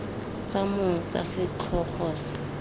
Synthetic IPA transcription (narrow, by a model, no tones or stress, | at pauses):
t͡sʼamʊt͡sʼa̰sɪt͡ɬʰɔχɔs